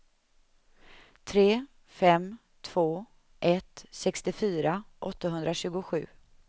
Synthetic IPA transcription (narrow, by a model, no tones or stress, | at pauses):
t̪ʰɾeː | fɛm | t̪ʰv̥oː | ʔɛt̪sɛkst̪ɪfyːɾaʔɔt̪ːaɦɵnd̪ɾaɕʉ̟ːɡʊɧʉ̟ː